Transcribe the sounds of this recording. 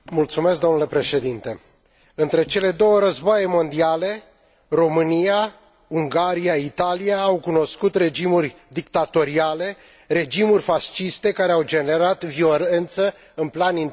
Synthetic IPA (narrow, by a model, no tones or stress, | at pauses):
mult̪sume̞sk̚d̪o̞nule̞pɾe̞ʃe̞d̪int̪e̞ | ɨnt̪ɾe̞t͡ʃe̞le̞d̪o̞wəɾəzboajemo̞nd̪iale̞ | ro̞mɨnija | uŋɡaɾiait̪aliaːwkuno̞skut̪re̞d͡ʒimurʲ | d̪ikt̪at̪o̞ɾiale̞ | re̞d͡ʒimurʲfast͡ʃist̪e̞kaɾe̞awd͡ʒe̞ne̞ɾat̪vio̞le̞nt̪sə | ɨnplanin